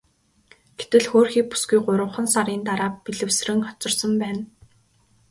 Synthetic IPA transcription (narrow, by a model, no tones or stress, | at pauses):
ɡ̥et̪ɘ̆ɮxoːrxiːk̚pu̥sɡujɢʊɾə̆wχə̆nsaɾiːnt̪aɾaːpiɮɘ̆wsrɘ̆ŋχɔt͡sɞ̆rsə̆mpæːn